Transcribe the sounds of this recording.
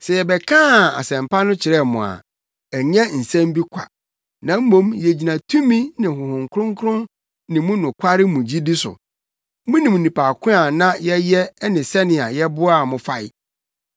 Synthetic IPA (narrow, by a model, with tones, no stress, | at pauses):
sɛ˨jɛ˨bɛ˨kʰãː˦˨a̰˨sɛ̃˨m˨pʰa˦nʊ̃˦t͡ɕʰɪ˨ɾɛ˦˨mʊ̃˨a̰˨ | æ˨ɲã˦n̩˨sɛ̃˦m˦bi˦kʷʰa̰˨ | nã˨m̩˦mõ˦mjɛ˨d͡ʑi˨nã˨tʰũ˦mĩ˦nɪ̃˨ɦʊ̃˨hʊ̃˨ŋkʰɾʊ̃˦ŋkʰʊ˦ɾʊ̃˦n | nɪ̃˨mʊ̃˦nʊ̃˨kʰʷa˦ɾɪ˦mũ˨d͡ʑi˦di˦sʊ̰˨ | mʊ̃˦nĩ˨mũ˨nĩ˨pʰa˨kʰʊ̃˦a˨nã˦jɛ˦jɛ˦nɪ̃˨sɛ˦nɪ̃˨a˨jɛ˦bʊ˦a˨mʊ̃˨fa˦ɪ˦